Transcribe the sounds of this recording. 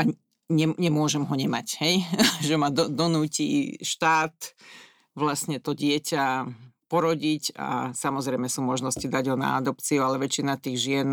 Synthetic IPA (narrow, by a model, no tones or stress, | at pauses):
a | ɲɛɲɛmʊɔʒɛmɦɔɲɛmachɛjʒɛmad̪ɔd̪ɔnuːcḭːʃt̪aːt̪ | ʋlasɲɛt̪ɔɟɪɛcapɔɾɔɟica̰samɔzɾɛɪmɛsuːmɔʒnɔscid̪aɟɦɔna̰a̰d̪ɔpt͡siualɛʋɛt͡ʃinat̪iːɣʒɪɛn